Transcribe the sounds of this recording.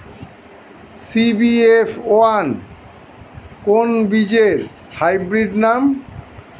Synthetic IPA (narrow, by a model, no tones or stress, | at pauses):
sibiepʰoan | konbid͡ʑeɾ | hajbɾiɖnam